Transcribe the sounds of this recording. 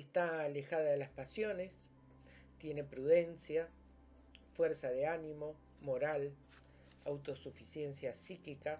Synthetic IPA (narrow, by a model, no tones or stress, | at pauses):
est̪aːle̞xaðaelaspasjo̞ne̞s | t̪je̞ne̞pɾuðe̞nsja | fweɾsaðeanimo̞ | mo̞ɾal | awt̪o̞sufisje̞nsjasiklika